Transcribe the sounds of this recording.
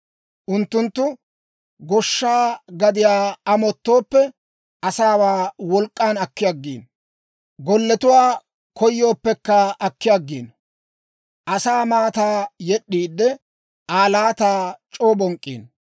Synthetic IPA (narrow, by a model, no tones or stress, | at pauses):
ʔʊnt̪ːʊnt̪ːʊ | ɡɔʃːaːɡɐd̪ɪjaːɐmɔt̪ːoːpːɛ | ʔɐsaːwaːwɔlkʼːaːnɐkːɪjɐɡːḭːn | ɡɔlːɛt̪ʊwaː | kɔjːo̞ːpːɛkːɐɐkːɪjaɡːḭːn | ʔɐsaːmaːt̪aːjɛɗːiːd̪ːɛ | ʔaːlaːt̪aːt͡ʃʼo̞ːbɔŋkʼːḭːn